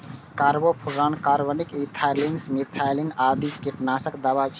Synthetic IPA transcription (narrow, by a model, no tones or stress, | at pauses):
kaɾbopʰuɾankaɾbənikit̪ʰajlinsmit̪ʰajlinad̪ikiʈnasəkd̪aβat͡ʃʰ